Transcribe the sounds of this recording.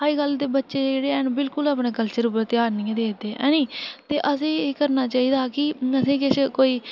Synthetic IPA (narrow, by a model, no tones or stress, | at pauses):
aːiɡəld̪eːbətːʃeːd͡ʒeːɽeːɛːnbɪlkʊlaːpneːkəlt͡ʃəɾʊpːəɾt̪eaːɾniːãːd̪eːd̪eːɛ̰̃ːnĩːt̪eːʔəsẽːeːkəɾnaːt͡ʃaːiːd̪aːkɪəsẽːkɪskoːiː